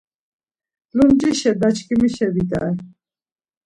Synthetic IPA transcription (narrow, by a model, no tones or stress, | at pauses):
lumd͡ʒʼiʃɛd̪at͡ʃʰkimiʃɛbit̪a̰ɛ